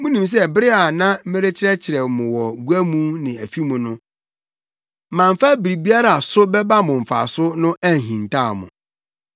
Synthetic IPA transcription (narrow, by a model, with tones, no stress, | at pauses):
mʊ̃˦nĩ˨ms̬ɛ˦bɪ˦ɾɪ˦a˨nã˦m̩˦mɪ̃˦ɾe˦t͡ɕʰɪ˦ɾɛ˦t͡ɕʰɪ˨ɾɛ˨mʊ̃˨wɔ˨ɡu˦æ˦mũ˦nɪ̃˨æ˨fi˦mũ˨nʊ̃˦ | mã˨ɱ˨fa˦bi˨ɾi˨bi˦a˦ɾa˨a˨sʊ˦bɛ˦ba˦mʊ̃˨ɱ̩˨fa̰˨sʊ˦nʊ̃˦ʔæ˦˨ɦĩ˨n˨tʰa˦˨mʊ̰̃˨